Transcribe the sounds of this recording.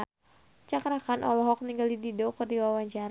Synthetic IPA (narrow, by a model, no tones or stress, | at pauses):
t͡ʃakɾakanʔɔ̰lɔɦɔk̚niŋɡaldididɔkərdiwawaɲt͡ʃaɾ